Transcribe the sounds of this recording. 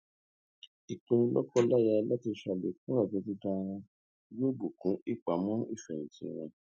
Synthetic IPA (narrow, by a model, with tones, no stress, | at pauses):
i˨k͡pũ˧˦lɔ̰˦kɔ˦la˦˨ja˧la˦ti˧ʃa˧˨le˨kũ˦a˦˨dĩ˧˦tĩ˦tã˧ɾ̃ã˧˦ | jo˦bu˨kũ˨˦i˦˨k͡pa˨˦mɔ̃˦i˦˨fɛ˨nĩ˨tḭ̃˧˦˧ɾ̃ɔ̰̃˧